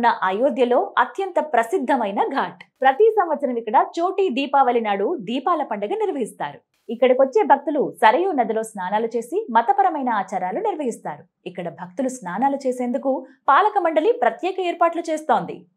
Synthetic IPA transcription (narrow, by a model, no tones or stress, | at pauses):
nːɐʔajoːd̪jɐlo̞ːɐt̪jɐnt̪ɐpɾɐsid̪ʱːɐmɐjnɐɡʱaːʈpɾɐt̪isɐmʋɐt̪sʰɐɾɐmikːɐɽɐt͡ʃoːʈiːd̪iːpaːʋɐlinaːɽud̪iːpaːlɐpɐɳɖɐɡaːniɾʋɐɦist̪aːɾu | ikːɐɽɐkʋot͡ʃːe̞ːbʱɐk̚t̪ulusɐɾɐjuːnɐd̪ɐlo̞ːsnaːnaːlut͡ʃe̞ːsimɐt̪ɐpɐɾɐmɐjnɐaːt͡ʃaːɾaːluniɾʋɐɦist̪aːɾu | ikːɐɽɐbʱɐk̚t̪ulusnaːnaːlut͡ʃe̞ːse̞ːnd̪ukupaːlɐkɐmɐɳɖɐlipɾɐt̪jɛːkɐeːɾpaːʈlut͡ʃe̞ːst̪o̞ːnd̪ḭ